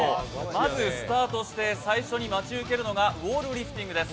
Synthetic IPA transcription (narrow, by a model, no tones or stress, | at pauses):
mazɨsɨ̥t̪aːt̪o̞ɕi̥t̪e̞saiɕo̞ɲ̟imat͡ɕiɯ̟ke̞ɾɯ̟no̞ɡaβo̞ːɾɯ̟ɾʲiɸɯ̥t̪ʲĩŋɡɯ̟d̪e̞s